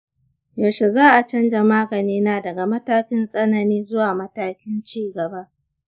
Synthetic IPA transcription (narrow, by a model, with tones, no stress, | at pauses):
jo˨ʃe˨zaː˦ʔa˨t͡ʃɐ˦nd͡ʒa˨maː˦ɡɐ˨niː˦naː˦dɐ˨ɡa˨mɐ˦taː˦kʲɪ˦nsʼɐ˦nɐ˨niː˦zʊ˦waː˨mɐ˦taː˦kʲɪ˦nt͡ʃiː˦ɡɐ˨ba˦ʔ